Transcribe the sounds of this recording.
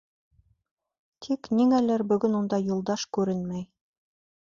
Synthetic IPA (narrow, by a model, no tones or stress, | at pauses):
t̪ʰikniŋælɘɾbɵ̆ɡɵnund̪ɑjulˠd̪ɑʃkʉɾɘnmæj